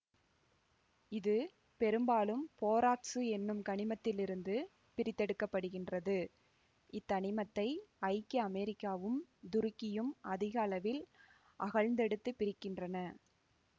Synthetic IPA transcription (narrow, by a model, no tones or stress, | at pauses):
ɪðɯ | pɛɾɯmbaːlɯmpoːɾaːʈsɯɛnːɯmkɐɳɪmɐt̪ːɪlɪɾɯnd̪ɯ | pɪɾɪt̪ːɛɽɯkːɐpːɐɽɯɣɪndrɐðɯ | ʔɪt̪ːɐɳɪmɐt̪ːɐɪɐɪkːɯɐmɛɾɪkːaːʋɯmd̪ʊɾɪkːɪjɯmɐðɪɣɐɐlɐʋɪl | ʔɐɣɐɻnd̪ɛɽɯt̪ːɯpɪɾɪkːɪndrɐnɐ